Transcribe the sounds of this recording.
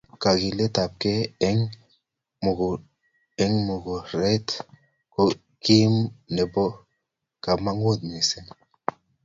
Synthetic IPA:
ka˨ɡi˨le˦t̪a˨p̚keː˦ŋ | mu˨ɡu˨ | e˦ŋmu˨ɡu˨ɾe˦t | ko˦ | ki˦mne˨bo˦ | ka˨ma˦ŋwo˦t̪̚mi˨se˦n

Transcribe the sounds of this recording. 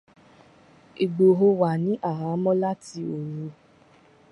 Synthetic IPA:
i˨ɡ͡bo˨ɦo˧wa˨nĩ˨˦ʔa˦˨ɦa˨˦mɔ̃˦la˦ti˧o˨ɾũ˧˦

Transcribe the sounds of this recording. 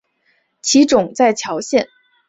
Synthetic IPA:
t͡ɕʰi˧˥ʈ͡ʂʊ˨˩˦ŋt͡sa˥˩ɪt͡ɕʰjɑ˧˥ʊɕjɛ˥˩n

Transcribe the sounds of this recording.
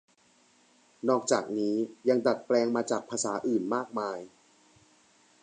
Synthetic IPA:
nɔː˥˩k̚t͡ɕaː˨˩k̚niː˦˥ja˧ŋda˨˩t̪̚plɛː˧ŋmaː˧t͡ɕaː˨˩k̚pʰaː˧saː˩˦ʔɯː˨˩nmaː˥˩k̚maː˧j

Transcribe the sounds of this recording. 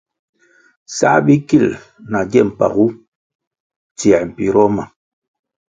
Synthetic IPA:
sa̰˦bi˦ki˦˨l | na˨ɡɛ˦˨m̩˨pa̰˨ɣu˦ | tjɛ˨m̩˨pi˨ɾɔ˦ma˨

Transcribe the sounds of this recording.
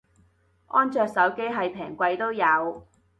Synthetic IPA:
ʔɔː˥nt͡sœː˨˧k̚sɐ˨˥wke˥jɦɐ˨jpʰɛː˨˩ŋkʷɐ˧jt̪o˥wjɐ˨˧w

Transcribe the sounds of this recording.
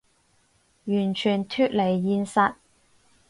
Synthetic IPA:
jyː˨˩nt͡ʃʰyː˨˩nt̪ʰyː˧˥t̚le˨˩jːiː˧nsɐ˧t̚

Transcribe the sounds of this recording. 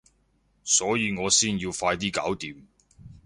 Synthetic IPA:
sɔː˨˥jiː˨˧ŋɔː˨˧siː˥njiː˧wfaː˧jt̪̬iː˥ka̰ː˨˥wt̪iː˨˧m

